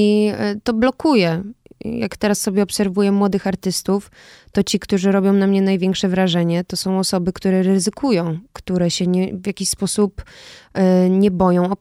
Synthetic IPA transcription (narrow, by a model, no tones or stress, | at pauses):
it̪ɔblɔkujɛja̰kt̪ɛɾasːɔbʲjɛɔpsɛɾvujɛmwɔd̪ɘxaɾt̪ɘst̪uf | t̪ɔt͡ɕikt̪uʐɘɾɔbʲjɔ̃w̃mnamɲɛnajvʲjɛ̃ŋkʂɛvɾaʐɛɲɛt̪ɔsɔ̃w̃ɔsɔbɘkt̪uɾɛɾɘzɘkʰujɔ̃w̃kt̪uɾɛɕɛɲɛvjakʲiɕspɔsup | ɲɛbɔjɔ̃w̃ɔ